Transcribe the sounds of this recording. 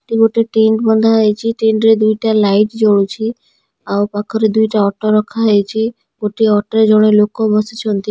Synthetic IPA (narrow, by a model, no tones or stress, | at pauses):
ʈiɡoʈeʈeɳʈbɔnd̪ʱaɦəjet͡ʃʰiʈeɳʈɾed̪ujʈalaiʈd͡ʒɔɭut͡ʃʰi | awpakʰɔɾed̪ujʈaɔʈɔɾɔkʰaɦəjt͡ʃʰi | ɡoʈeɔʈɔɾed͡ʒɔɽ̃elokobɔsit͡ʃʰɔnt̪i